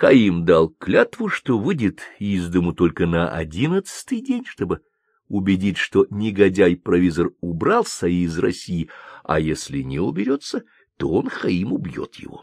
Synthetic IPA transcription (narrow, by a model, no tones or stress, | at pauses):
xɐimd̪alˠklʲat̪vʊʂt̪o̞vɨdʲɪt̪izd̪əmʊt̪o̞lʲkənəʔɐ̰dʲinət̪sɨ̥t̪ɨjdʲenʲʂt̪o̞bɨ | ʊbʲɪdʲitʲʂt̪o̞nʲɪɡɐdʲajpɾɐvʲizərʊbɾɑlˠsɐiːzrɐsʲijɪɐ̰jesʲlʲɪnʲɪʊbʲɪɾʲo̞t̪sə | t̪o̞onxɐimʊbjo̞̰t̪jɪ̰vo̞̰